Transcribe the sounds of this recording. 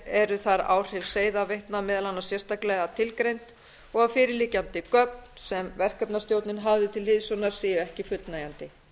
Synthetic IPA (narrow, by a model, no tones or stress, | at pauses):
ɛɾʏθaɾa̰wr̥ɪlseːjðavejht̪namɛːðalanːḁsjɛr̥st̪aklɛɣat̪ʰɪlkɾejnt̪ | ɔɣavfɪːɾɪliːcant̪ɪkœk̚nn̥sɛmvɛr̥kœpnast̪jowt̪nɪnɦavðɪt̪ʰɪlhɪðsʏnaɾ̥sɪːjʏɛhcɪfʏlt̪najant̪ɪ